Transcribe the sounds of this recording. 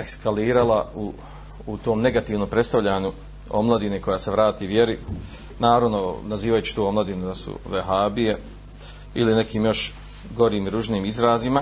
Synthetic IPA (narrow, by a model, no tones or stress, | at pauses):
e̞kskaliːɾalauː | t̪o̞ːmne̞ɡat̪iːʋnompɾe̞t̪st̪aʋʎaːɲu | o̞mlˠad̪iniko̞jaːse̞ʋɾaːt̪iːʋje̞ɾi | naːɾaʋnonaziːʋajut͡ɕi̥t̪oːo̞mlˠad̪inud̪asṵʋeɦaːbije | iline̞kʰiːmjo̞ʃ | ɡo̞ɾiːmiɾuʒniːmizɾaːzima